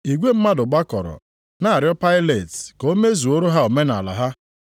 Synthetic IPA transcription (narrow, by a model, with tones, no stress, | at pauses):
i˨ɡʷe˦m̩˦ma˦dʊ˨ɡ͡ba˦kɔ˨ɾɔ̰˨ | na˦˨a˨ɾjɔ˦pa˦ɪ˦le˨tko˦me˦zu˨o˦ɾo˦ɦa˦o˨me˦na˨la̰˨ɦa˦